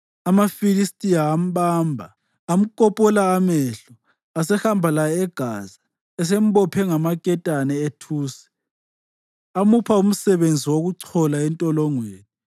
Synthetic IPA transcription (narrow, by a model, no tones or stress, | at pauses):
amafilistʼijaːm̩ɓaːmbʱaː | m̩kʼɔpʼɔlaːmɛɬɔ | asɛxambʱalajɛɛɡ̥ʱaza | ɛs̬em̩ɓɔpʰɛŋamakʼɛtʼanɛetʰuːsɛ̥ | amupʰaum̩sɛβend͡zʱiwoɣuǀʰɔlaɛntʼɔlɔŋweːni